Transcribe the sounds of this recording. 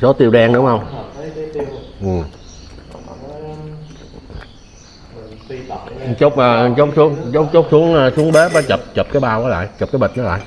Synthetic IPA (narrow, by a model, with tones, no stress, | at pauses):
so˨˦t̪i˧əwɗɛ˧ŋɗʊ˨˦hə˧wŋ͡m | ʔɨ˨˩m | t͡ɕo˦˥k͡p̚ʔəː˨˩˨t͡ɕo˦˥wk͡p̚su˨˦əŋt͡ɕo˦˥t͡ɕo˦˥k͡p̚su˨˦əŋː˧su˨˦əŋɓe˨˦˥ɓaː˨˦t͡ɕə˨˩p̚t͡ɕə˨˩p̚kaː˨˦jɓaː˧wʔaː˨˦la̰ː˧˨jt͡ɕə˨˩p̚aː˨˦jɓə˨˩t̚nɔ˨˦la̰ː˧˨j